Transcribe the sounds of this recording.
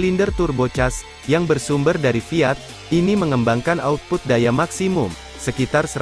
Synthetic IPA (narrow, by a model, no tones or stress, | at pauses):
lindərt̪urbot͡ʃas | jaŋbərsumbərdaɾifiat̪̚ | iniməŋəmbaŋkanaut̪̚pʊt̪̚dajamaksimʊm | səkit̪arsə